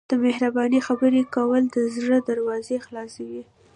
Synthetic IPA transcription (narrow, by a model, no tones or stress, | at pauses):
d̪̥əmehɾabɑnixabəɾekawəld̪əzɾəd̪aɾwɑzexlɑsawi